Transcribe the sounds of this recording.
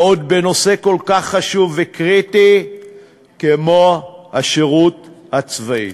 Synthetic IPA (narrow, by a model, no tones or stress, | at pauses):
od̪̚beno̞se̞ko̞lkaχːaʃuvːekʁit̪i | kemo̞haʃeʁut̪hat͡svaḭ